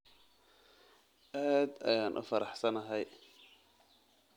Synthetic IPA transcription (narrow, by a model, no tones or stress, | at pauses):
ʔaːd̪ɐ̰jaːnʔʊ̰fɐɾɑħsɐnɐɦɛj